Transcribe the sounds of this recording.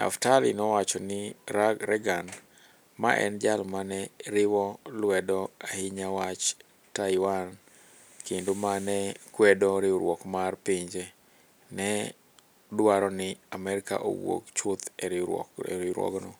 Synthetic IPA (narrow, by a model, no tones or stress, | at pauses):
na̰ftalɪnɔwat͡ʃɔnɪɾɛɡan | ma̰ʔɛ̰nd͡ʒalmanɛɾɪwɔlwɛdɔahɪɲawat͡ʃ | tajwan | kendomanɛkwɛdɔɾɪɾwɔkmarpɪɲd͡ʒɛ | nɛ | dwaɾɔnɪamɛɾɪka̰ʔo̰wo̰kt͡ʃʊt̪ɛɾɪ̰ɾɪɾwɔ̰ɡnɔ